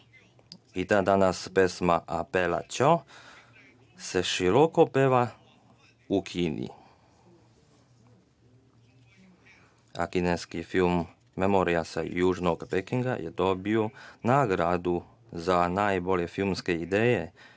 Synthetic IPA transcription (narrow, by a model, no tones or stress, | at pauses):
it̪aːd̪anaspesmaʔapela̰t͡ʃo | seʃiɾokopeʋa | ukʰiːnḭ | a̰kineskifilmː | emoɾiasa̰juːʒnoɡpekiŋɡa̰jʔed̪oːbionaɡɾad̪u | zanajbo̞lʲjefilmskeid̪eːje